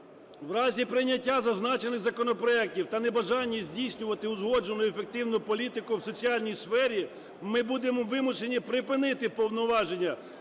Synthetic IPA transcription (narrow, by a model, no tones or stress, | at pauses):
wɾɑzʲipɾɪjnʲːɐtʲːazɐznɑt͡ʃe̞nɪɣzɐkɔnɔpɾɔɛk̚tʲiwt̪ɐnebɐʒɑnʲːizʲdʲijsʲnʲʊʋɐt̪ɪʊzɦɔd͡ʒonʊjefek̚t̪ɪwnʊpɔlʲit̪ɪkʊwsɔt͡sʲiɑlʲnʲijsfɛɾʲi | mɪbud̪emɔʋɪmʊʃenʲipɾɪpɪnɪt̪ɪpɔwnɔʋɑʒe̞nʲːɐ